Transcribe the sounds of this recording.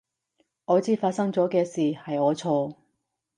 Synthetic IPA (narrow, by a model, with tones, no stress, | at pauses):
ɔː˨˧t͡siː˨˥faː˧t̚sɐ˥ŋt͡sɔː˨˥kɛː˧siː˨˩hɐ˨jɔː˨˧t͡sʰɔː˧